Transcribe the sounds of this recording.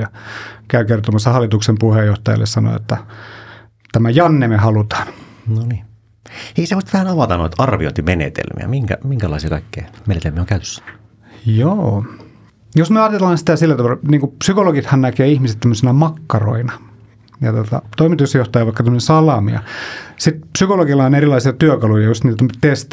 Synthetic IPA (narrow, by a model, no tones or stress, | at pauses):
jɑkæykert̪omɑsːɑhɑlːˑit̪uksempuhejoht̪ɑjɑ̰lːʔḛssɑno̰o̰t̪ːæ | t̪æmæjɑnːemehɑlut̪ɑ̥ːnnoniː | eisemːost̪ʋæhænɑʋɑt̪ɑno̰it̪ɑrʋḭo̰nt̪imenḛt̪ḛlmḭæ̰miŋkæ̰miŋkælɑ̰ˑisiɑkɑikːeːmenet̪elmiæoŋkæyt̪ø̥sːæ̥ | joː | josmyøɑːt̪telːɑːnsit̪æsilːæt̪ɑʋɑlniːŋkupsykoloɡit̪hɑnnækeːihmiset̪æmːøsinæmɑkːɑro̰inɑ | jɑ̰t̪ot̪ɑ̰t̪oimit̪usjoht̪ɑjɑʋɑikːɑt̪æmønensɑlɑmḭjɑ̰sit̪psykoloɡilːɑhɑnerilɑisiɑt̪yøkɑlujɑjust̪niːt̪t̪æmːtt̪est̪